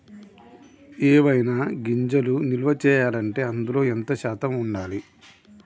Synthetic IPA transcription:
eːʋɐjnaːɡiɲd͡ʒɐlunilʋɐt͡ʃɛːjaːlɐɳʈe̞ːɐnd̪ulo̞ːent̪ɐʃaːt̪ɐmuɳɖaːli

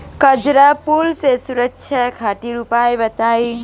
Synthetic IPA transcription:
kəd͡ʒɾapulsesuɾəkt͡ʃʰjakʰaʈiɾupajbət̪aj

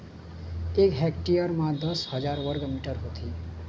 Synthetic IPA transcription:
ekɦɛkʈijəɾmãd̪ʌshʌd͡ʒaɾʋʌɾɡmiʈəɾɦot̪ʰi

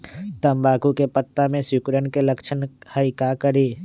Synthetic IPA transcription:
t̪ɐmbaːkukepət̪ːamẽsʊkɾənkelɐkʃənhəikaːkəɾiː

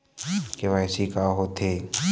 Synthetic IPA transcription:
keʋaːsikaɦot̪ʰeː

